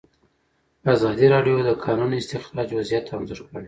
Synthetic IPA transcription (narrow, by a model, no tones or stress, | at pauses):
azɑd̪iɾɑɖjod̪əkʰɑnunɪst̪ɪxɾɑd͡ʒwazjat̪ːaanzoɾkəɽe